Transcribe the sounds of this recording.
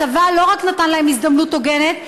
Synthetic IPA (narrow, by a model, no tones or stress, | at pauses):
avalo̞ʁaknat̪anlaɦemisd̪amnut̪ːoɡe̞net̪